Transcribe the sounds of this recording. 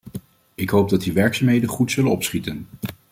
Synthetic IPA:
ɪkɦowb̚dɑt̚diʋɛɹksaːmɦejdənχutsɵlənɔpsχitən

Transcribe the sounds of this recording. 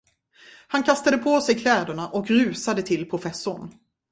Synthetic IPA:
hankʰast̪ad̪əpʰoːsɛjkʰlɛːd̪əɳaʔɔkɾʉ̟ːsad̪ət̪ʰɪlpʰɾʊfɛsːʊɳ

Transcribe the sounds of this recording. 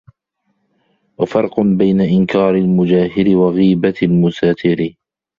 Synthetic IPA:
wafɑɾˤqʊbajnaʔɪnkaːɾɪlmʊd͡ʒaːhɪɾɪwaɣiːbalmʊsaːt̪ɪɾɪ

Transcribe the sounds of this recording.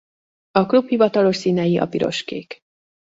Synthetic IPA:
ɒkluphivɒt̪ɒlo̞ʃsiːnɛjiʔɒ̰piɾo̞̰ʃkḛːk

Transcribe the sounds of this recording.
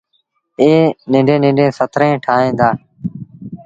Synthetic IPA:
eːnɪ̃ːɳɖẽːnɪ̃ːɳɖẽːsət̪ʰɾẽːʈʰaːɦẽːd̪aː

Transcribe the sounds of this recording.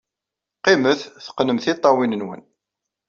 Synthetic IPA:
qɪməθθə̥qːnəmθit̪ˤːɑwinənwə̰n

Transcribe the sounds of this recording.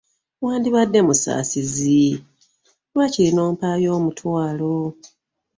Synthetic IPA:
waːndiβadːe̞musa̰ːsizi | wacilino̞ːmpaːjo̞ːmutwaːlo

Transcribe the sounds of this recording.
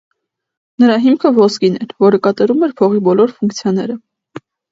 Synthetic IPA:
nəɾɑɦimkʰəvɔskinɛɾvɔɾəkɑt̪ɑɾumɛɾpʰɔʁibɔlɔɾfuŋkt͡sʰjɑnɛɾə

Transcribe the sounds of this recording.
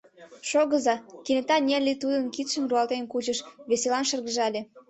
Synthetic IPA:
ʃoɣəzɑkenet̪ɑnʲerlʲit̪ud̪ənkit̪ʃəmruɑlt̪enkut͡ɕəʃβeselɑnʃərɣəʒɑlʲe

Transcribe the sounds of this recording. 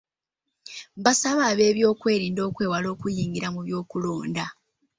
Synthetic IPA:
βasaβaːβe̞ːβjo̞ːkwe̞ːɾiːndo̞ːkwe̞ːwalo̞ːkujiːŋɡiɾamuβjo̞ːkulo̞ːnda

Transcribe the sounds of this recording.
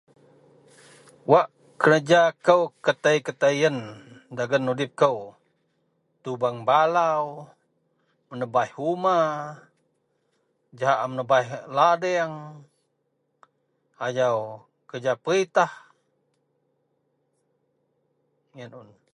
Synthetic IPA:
waʔ | kəɾəd͡ʒakəwkət̪əjkət̪əiəndaɡənːudɪp̚kəw | t̪ubaŋbalaw | mənəbaihuma | d͡ʒaɦaʔamənəbaihladɛaŋ | ajaw | kəd͡ʒapəɾit̪ah | jənun

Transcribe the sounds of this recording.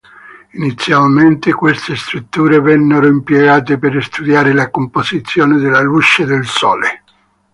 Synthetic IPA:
init̪sːjalment̪ekwest̪est̪ɾut̪ːuːɾevɛnːeɾoimpjeɡaːt̪epeɾɪst̪ud̪jaːɾɪlakompozit̪sːjɔːnɪd̪ɪlːalut͡ʃːed̪ɪlsɔːle

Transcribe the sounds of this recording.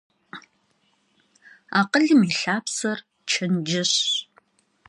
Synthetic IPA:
aːqəɮɨmiɬaːpsɐr | t͡ʃʰɐnd͡ʒɐɕ

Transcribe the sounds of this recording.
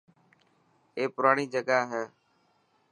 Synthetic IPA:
eːpʊɾaːɳiːd͡ʒəɠaːɦɛː

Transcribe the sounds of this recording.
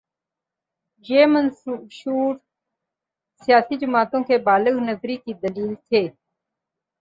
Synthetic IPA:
d͡ʒeːmənʃuːɾ | sijaːsid͡ʒəmaːt̪õːkʰeːbaːləɣnəzɾiːkiːd̪əliːlt̪ʰeː

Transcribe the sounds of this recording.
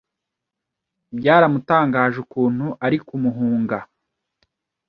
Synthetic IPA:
bɟaːɾamutaːŋɡaːʒukuːn̥huʔaɾikumuɦuːŋɡa

